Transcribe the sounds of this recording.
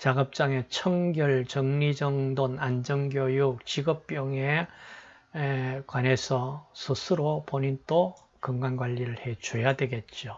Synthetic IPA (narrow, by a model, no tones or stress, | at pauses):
t͡ɕaɡʌp̚t͡ɕ͈aŋe̞t͡ɕʰʌŋɡjʌɭt͡ɕʌŋɲid͡ʑʌŋdonand͡ʑʌŋɡjojuk̚t͡ɕiɡʌp̚p͈jʌŋe | kwane̞sʰʌsʰɯsʰɯɾopoɲint͈o | kɯŋɡwanɡwaʎːiɾɯɭhe̞t͡ɕujadwe̞ɡe̞t̚t͡ɕ͈o